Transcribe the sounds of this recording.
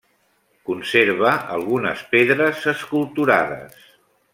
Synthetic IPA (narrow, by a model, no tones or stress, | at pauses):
kunseɾβ̞əʔə̰lˠɣunə̰speðɾəzəskulˠt̪uɾaðə̰s